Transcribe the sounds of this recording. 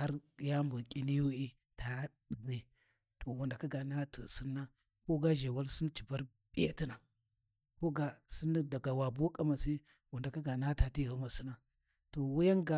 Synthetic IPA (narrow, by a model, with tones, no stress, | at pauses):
ha˦ɾja˦mbu˨kʲʼi˦ni˦ju˦i˦ | ta˨˦ɗzi˦ | tʰo˨wa˨nda˨ka˦ɡa˨na˦tʰə̰˨si˦nːa˦ | ko˦ɡa˦ʒe˨wa˦lsi˦n˦t͡ʃi˨va˦ɾ | b̥ʼi˦ja̰˦ti˦na˨ | ko˦ɡa˨si˦n˦da˨ɡa˨wa˨bu˦kʼa˦ma˨si˦ | wa˨nda˨ka˦ɡa˨na˦ta˨ti˦˨ɣa˨˦ma˨si˦na˦ | to˨wu˦ja˦ŋɡa˨